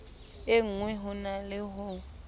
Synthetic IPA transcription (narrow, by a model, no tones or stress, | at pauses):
eŋ̩ŋwɛɦʊnalɪɦʊ